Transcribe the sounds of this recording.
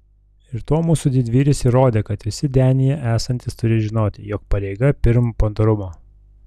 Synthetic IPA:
ɪɾt̪oːmuːsud̪ʲɪd̪ʲʋʲiːɾʲɪsiːɾoːd̪ʲeːkɐt̪ʋʲɪsʲɪd̪ʲæːnʲɪjɛʔæːsɐnʲt̪ʲɪst̪ʊɾʲɪʒʲɪnoːt̪ʲɪjɔːk̚pɐɾʲɛɪɡɐpʲɪɾmpɐnt̪oɾʊmoː

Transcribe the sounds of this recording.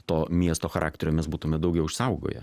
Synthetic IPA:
t̪oːmʲiɛst̪oːxɐɾʔɑ̰ːk̚t̪ʲɛɾʲoːmʲɛsbuːt̪ʊmʲɛd̪ɐʊɡʲɛʊɪʃsɐʊɡo̰ːjɛ̰

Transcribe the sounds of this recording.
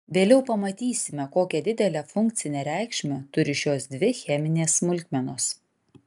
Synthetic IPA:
ʋʲeːlʲɛʊpɐmɐt̪ʲiːsʲɪmʲɛkoːkʲɛd̪ʲɪd̪ʲɛlʲɛfʊŋk̚t̪sʲɪnʲɛːɾʲæˑɪkʃʲmʲɛt̪ʊɾʲɪʃʲoːsd̪ʲʋʲɪxʲɛmʲɪnʲeːsːmʊlʲk̪ʲmʲɛnoːs

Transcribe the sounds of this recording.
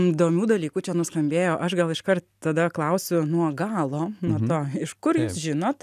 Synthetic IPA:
d̪oːmʲuːd̪ɐlʲiːkuːt͡ʃʲɛnʊskɐmʲbʲeːjoːʔɐʃɡɐlˠɪʃkɐrt̪t̪ɐd̪ɐklˠɐʊsʲʊnuɔɡɑːlˠoːnuɔt̪oːɪʃkʊɾjuːsʒʲɪnoːt̪

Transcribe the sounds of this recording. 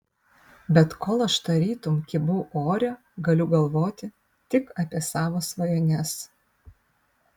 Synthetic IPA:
bʲɛt̪koːlˠɐʃt̪ɐɾʲiːt̪ʊmkʲɪbʊʔoːɾʲɛ | ɡɐlʲʊɡɐlˠʋoːt̪ʲɪ | t̪ʲɪkɑːpʲɛsɑːʋoːsʋɐjoːnʲɛs

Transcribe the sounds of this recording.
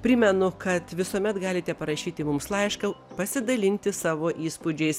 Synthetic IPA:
pʲɾʲɪmʲɛnʊkɐt̪ʋʲɪsuɔmʲɛt̪ɡɑːlʲɪt̪ʲɛpɐɾɐʃʲiːt̪ʲɪmʊmslˠɐɪʃkɐpɐsʲɪd̪ɐlʲɪnʲt̪ʲɪsɑːʋoːʔiːspʊd͡ʒʲɛɪs

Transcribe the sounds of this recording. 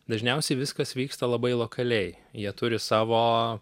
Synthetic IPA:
d̪ɐʒʲnʲɛˑʊsʲɛɪʋʲɪskɐsʋʲiːkst̪ɐlˠɐbɐɪlˠoːkʰɐlʲɛɪ | jiɛt̪ʊɾʲɪsɑːʋoː

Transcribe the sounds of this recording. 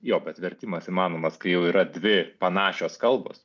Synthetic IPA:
joːbʲɛt̪ʋʲɛɾʲt̪ʲimɐsimɑːnoːmɐskɐɪjɛʊiːɾɐd̪ʲʋʲɪpɐnɑːʃʲoːskɐlˠbo̰ːs

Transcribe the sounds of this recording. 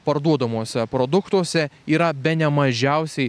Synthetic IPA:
pɐɾd̪uɔd̪ɐmuɔsʲɛpɾod̪ʊkt̪uɔsʲɛiːɾɐbʲɛnʲɛmɐʒʲɛʊsʲɛɪ

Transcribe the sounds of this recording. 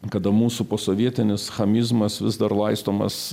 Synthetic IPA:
kɐd̪ɐmuːsupoːsoːʋʲiɛt̪ʲɪnʲɪsxɐmʲɪzmɐsʋʲɪzd̪ɐrlˠɐɪst̪oːmɐ̰s

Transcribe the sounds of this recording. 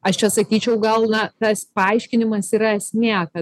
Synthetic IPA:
ɐʃt͡ʃʲɛsɐkʲiːt͡ʃʲɛʊɡɐlˠnɐt̪ɐspɐɐɪʃʲkʲɪnʲɪmɐsiːɾɐɛsʲnʲæːkɐ

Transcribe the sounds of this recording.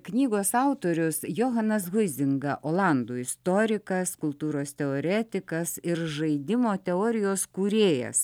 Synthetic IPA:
knʲiːɡoːsɑʊt̪oːɾʲʊsjoːɦɐnɐs̬ɣʊzʲɪŋɡɐʔoːlˠɐˑnd̪uːɪst̪oːɾʲɪkɐskʊlˠt̪uːɾoːst̪ʲɛoːɾʲɛːt̪ʲɪkɐsɪɾʒɐɪd̪ʲɪmoːt̪ʲɛoːɾʲɪjoːskuːɾʲeːjɛ̰s

